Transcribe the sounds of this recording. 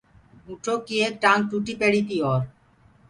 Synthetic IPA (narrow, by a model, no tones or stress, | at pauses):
uʈʰokːiek̚ʈanʈuʈipeɽit̪iɔɾ